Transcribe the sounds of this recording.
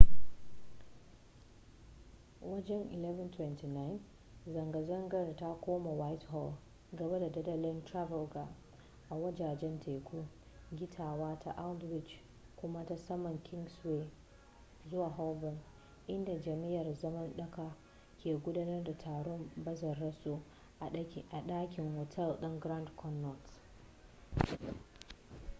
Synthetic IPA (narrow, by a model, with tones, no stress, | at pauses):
wɐ˦d͡ʒɛ˦ŋʔɪ˨lɛ˦vɐ˨ntwɛ˦nti˨na˦jn | zɐ˨ŋɡɐ˨zɐ˦ŋɡɐ˨rta˦kʷoː˦ma˨wa˦jtɦɔ˦˨ | ɡɐ˨be˦da˨dɐ˦dɐ˦lɪ˦ntɾa˦vɛ˨lɡa˨ | ʔa˨wɐ˦d͡ʒaː˨d͡ʒɛ˦ntʰeː˨kʷʰu˦ | ɡʲɪ˦tʰaː˨waː˦tʰa̰˦ʔa˦dwɪ˨t͡ʃ | kʷʊ˦ma˦ta˦sɐ˦mɐ˨ŋkʲɪ˦ŋɡswe˦ | zʊ˦waː˨ɦɔ˦wbɔ˦n | ʔɪ˦nda˨d͡ʒɐ˨mi˦jɐ˨rzɐ˦mɐ˦nɗɐ˦ka˨ | kʲeː˨ɡʷʊ˦daː˦nɐ˦rda˨tʰaː˨ɽɔ˦mbɐ˦zɐ˨rːɐ˦soː˦˨ | ʔa˨ɗaː˦kʲɪ˨ŋhɔ˨tʰɛ˦˨lɗɐ˦ŋɡɾa˦ndkʰɔ˦nːɔ˨t